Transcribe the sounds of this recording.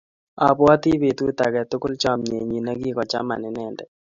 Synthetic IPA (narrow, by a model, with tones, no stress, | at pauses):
a˨pwa˦t̪i˦be˨t̪u˦t̪a˨ɡɛ˨t̪ʊ˦kʊ˦lt͡ʃɔ˦˨mɲe˨ɲi˨na˦ɡi˦kɔ˨t͡ʃa̰˦ma̰˨nɪ˨nɛ˦˨ndɛ˨